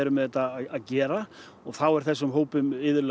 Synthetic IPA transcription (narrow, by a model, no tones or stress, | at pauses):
ɛɾʏmːɛðɛt̪ːaaðcɛːɾa | ɔɣθawɛɾ̥θɛsːʏmɦoːwpʏmɪðʏɾl